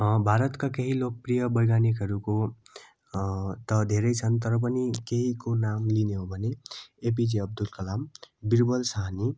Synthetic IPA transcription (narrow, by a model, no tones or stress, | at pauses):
bʱaɾʌt̪kakeɦilok̚prijʌbʌjɡanikɦʌɾuko | t̪ʌd̪ʱeɾʌjt͡sʰʌnt̪̬ʌɾʌp̬ʌnikeɦikonamlineɦobʱʌneep̬id͡ʒiʌb̚d̪ulkʌlambiɾbʌlsaɦani